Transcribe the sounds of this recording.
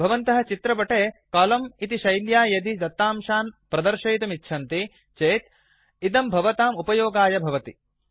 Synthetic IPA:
bʱɐʋɐnt̪ɐɦɐ̆t͡ʃit̪ɾɐpɐʈeːkɐːlɐmit̪iʃɐjljaːjɐd̪id̪ɐt̪ːaːmʃaːnpɾɐd̪ɐɾʃɐjt̪ɐmitːʃʰɐnt̪i | t͡ʃeːt̪ | id̪ɐmbʱɐʋɐt̪aːmupɐjoːɡaːjɐbʱɐʋɐt̪i

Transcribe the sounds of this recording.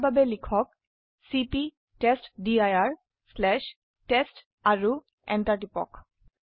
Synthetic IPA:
babelikʰɔk̚ | sipi | testdiajaɹ | slɛʃ | tɛst | aɹu | ɛ̰ntaʈipɔ̰k

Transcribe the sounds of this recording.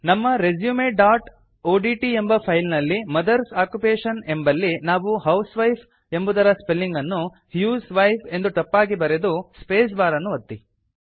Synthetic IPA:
nɐmːɐɾed͡ʒjuːmeːɖaːʈ | oːɖiːʈie̞mbɐpʰɐjlnɐlːimɐd̪ɐɾsaːkjupeːʂɐne̞mbɐlːinaːʋuɦɐwsʋɐjpʰ | e̞mbud̪ɐɾɐspelːiŋɡɐnːu | hjuːsʋɐjpʰe̞nd̪uʈ̪ɐpːaːɡibɐɾed̪uspeːs̬baːɾɐnːuʋɐt̪ːi

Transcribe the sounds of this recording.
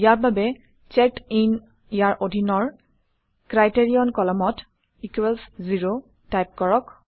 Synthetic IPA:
jaɹbabɛ | t͡ʃɛktin | ijaɹʔodʱinɔɹ | kɹajteɹiɔnkɔlɔmɔt | ikwɛlsziɹo | tajp̚kɔɹɔk

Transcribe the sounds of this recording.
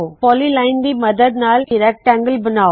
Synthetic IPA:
pɔlilɐɪnd̪imɐd̪ɐd̪naːlkɪɾɐk̚ʈɐŋɡəlbɪnaː

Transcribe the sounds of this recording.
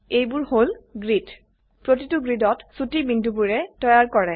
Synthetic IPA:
ejbʊɹholɡɹid | pɹotituɡɹidɔtsutimindʱubuɹɛtɔjaɹkɔɹɛ

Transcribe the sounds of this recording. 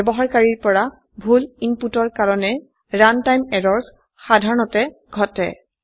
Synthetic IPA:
bɔɦaɹkaɹiɹpɔɹa | bʱulinputɔɹkaɹɔnɛ | ɹantajmɛɹɔɹs | xadʱaɹɔnɔtɛ | ɡʱɔtɛ̰

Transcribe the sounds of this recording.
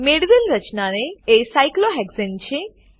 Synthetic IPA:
meɽʋilɾət͡ʃnaneesajkloɦɛɡsent͡ʃʰe

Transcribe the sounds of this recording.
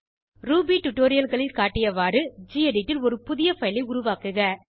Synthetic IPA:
ɾuːbiʈʊʈːoːɾɪjɐlɣɐɭɪlkaːʈːɪjɐʋaːɾɯd͡ʒiːɐɖɪʈːɪlɔɾɯpʊðɪjɐfɐɪlɐɪʊɾʊʋaːkɯɣɐ

